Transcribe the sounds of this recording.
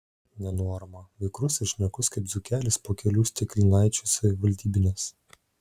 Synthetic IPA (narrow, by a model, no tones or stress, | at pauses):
nʲɛnoɔɾɐmɐʋʲɛɪkɾʊsɪʃʲnʲɛkʊskɐɪpzʊkʲæːlʲɪspoːkʲɛlʲuːsʲt̪ʲɪkʲlʲɪnɑɪt͡ʃʲuːsɐʋʲɪʋɐlʲd̪ʲiːbʲɪnʲɛs